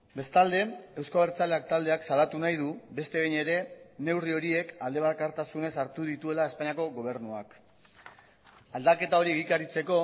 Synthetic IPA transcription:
be̞st̪ald̪e̞ewskaβeɾt͡sale̞ak̚t̪ald̪e̞aksalat̪unajðube̞st̪e̞ɣejɲe̞ɾe̞ne̞wrio̞ɾie̞kald̪e̞βakaɾt̪asune̞saɾt̪uðit̪ue̞lae̞spaɲiako̞ɣo̞β̞e̞ɾnuak | ald̪ake̞t̪ao̞ɾieɣikaɾit͡se̞ko̞

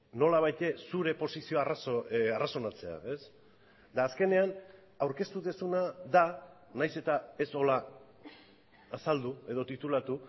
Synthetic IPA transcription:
no̞laβ̞ajt̪e̞suɾe̞po̞sisio̞arasaraso̞nat͡se̞a̰e̞s | d̪aːske̞ne̞an | awɾke̞st̪uðesunaða | najse̞t̪ae̞so̞la | sald̪ue̞ð̞o̞t̪it̪ulat̪u

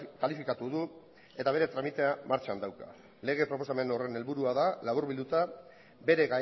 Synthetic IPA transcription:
kalifikat̪uðu | e̞t̪aβe̞ɾe̞t̪ɾamit̪e̞amaɾt͡ʃand̪awka̰ | le̞ɣ̞e̞pɾo̞posame̞no̞re̞ne̞lβuɾuaðalaβuɾβild̪ut̪a | be̞ɾe̞ɣa

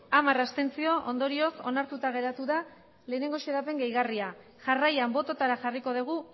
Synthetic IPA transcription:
amarast̪e̞nt͡sio̞ʔond̪o̞ɾio̞so̞̰naɾt̪ut̪aɣ̞e̞ɾat̪uða | le̞ːne̞ŋɡo̞ʃeðape̞ŋɡejɣaria | ʝarajambo̞t̪o̞t̪aɾaxariko̞ðeɣ̞u

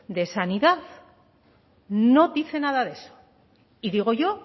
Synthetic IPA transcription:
d̪e̞saniðað | no̞ðiθe̞nað̞aðe̞so̥ | iðiɣo̞ʝo̞

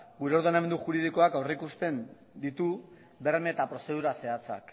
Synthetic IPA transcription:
ɡuɾe̞o̞ɾðe̞name̞nd̪uʝuɾið̞iko̞akawreikust̪e̞n | d̪it̪u | be̞ɾme̞t̪apɾo̞se̞ð̞uɾase̞at͡sa̰k

